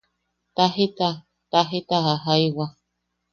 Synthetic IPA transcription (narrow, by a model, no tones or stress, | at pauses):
t̪aɦit̪a | t̪aɦit̪ahaɦajwa